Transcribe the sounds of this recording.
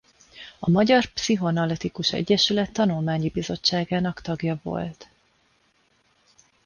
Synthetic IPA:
ɒmɒɟɒrpsiɦo̞nɒlɛt̪ikuʃɛ̰ɟːɛʃylɛt̪ːɒnulmaːɲibizo̞t͡ʃːaːɡaːnɒkt̪ɒɡjɒvo̞̰lt̪

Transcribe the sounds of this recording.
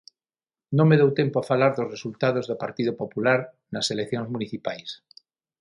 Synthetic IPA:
nõŋmeð̞owt̪empoafalaɾðozresult̪að̞ozðopaɾt̪iðopopulaɾ | naselekθjoŋzmuniθipajs

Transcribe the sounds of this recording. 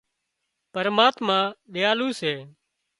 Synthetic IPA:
pəɾmaːt̪mãːɗɪjaːluːseː

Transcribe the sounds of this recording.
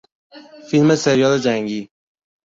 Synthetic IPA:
filmeseɾjɒled͡ʒæŋɡi

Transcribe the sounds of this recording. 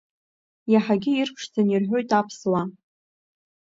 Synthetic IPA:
jaħaɡʲɪirpʰʂt͡sanirħʷᶣo̞jtʼapʰswa

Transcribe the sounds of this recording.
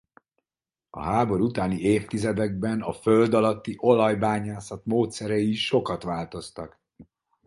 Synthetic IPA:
ɒ̰ɦaːbo̞ɾut̪aːnieːft̪izɛd̪ɛɡ̚bɛnɒføld̪ɒlɒt̪ːiʔo̞lɒjbaːɲaːsɒt̪moːt̪sɛɾɛiʃo̞kɒt̪ʋaːlt̪o̞st̪ɒk

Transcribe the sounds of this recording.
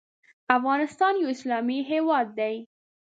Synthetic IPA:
afɣɑnɪst̪ɑnjawɪslɑmiɦewɑd̪ːaj

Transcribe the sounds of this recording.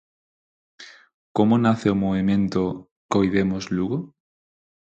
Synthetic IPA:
komʊnaθeʊmoβemẽnt̪ʊ | kojðemʊzluɣo

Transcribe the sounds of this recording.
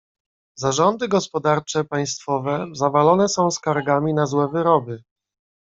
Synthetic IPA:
zaʐɔnd̪ɘɡɔspɔd̪aɾt͡ʂɛpaj̃st̪fɔvɛzavalɔnɛsɔ̃w̃skaɾɡamʲinazwɛvɘɾɔbɘ

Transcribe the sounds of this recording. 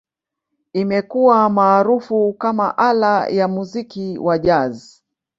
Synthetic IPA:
imɛkuwamaːɾufukamaʔalajamuzikiwʔaʄazi

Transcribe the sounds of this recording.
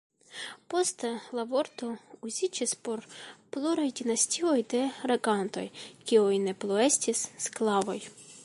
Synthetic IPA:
po̞st̪elavoɾt̪ouzʲid͡ʒispo̞ɾpluɾajdʲinasʲtʲiojd̪e̞ɾeɡant̪o̞̰jkʲiujneplˠoestʲisːklavo̞j

